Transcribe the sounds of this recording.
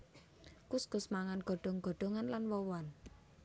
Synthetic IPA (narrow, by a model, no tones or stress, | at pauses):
kusɡ̥ʊsmaŋanɡ̥ɔ̤ɖ̥ɔ̤ŋɡ̥ɔ̤ɖ̥ɔ̤ŋanlanwɔwɔn